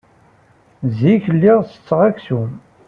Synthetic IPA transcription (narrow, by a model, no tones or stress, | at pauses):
ziçəlːɪʁsə̥t͡sːʁæksum